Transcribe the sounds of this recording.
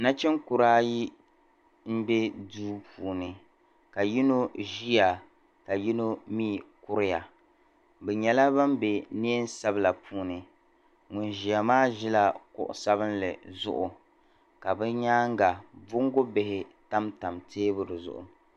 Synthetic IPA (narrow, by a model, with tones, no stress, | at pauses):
na˦t͡ʃɛ˦ŋkʊ˨ɾaː˦ji˦ | m̩˦be˦duː˦pʰuː˨nɨ˨ | ka˨ji˦no˦ʒi˦ja˨ | ka˨ji˦no˦miː˦˨kʊ˦ɾɪ˦ja˨ | bɛ˨ɲɛ˨la˦ba˦mbe˨ne˦e˦n˦sa˦bɨ˦la˨puː˦nɨ˨ | ŋʊ˨nʒi˨ja˨maː˦ʒi˦la˦kʊ̰˨ʔʊ̰˨sa˦βɨ˦nlɨ˨zʊ̰˦ʔʊ˨ | ka˨bɛ˦ɲaː˦ŋ˦ɡa˨bʊ˦ŋ˦ɡo˦be˨hɪ˨ta˦mta˨mtʰeː˦bʊ˦dɨ˨zʊ̰˨ʔʊ̰˨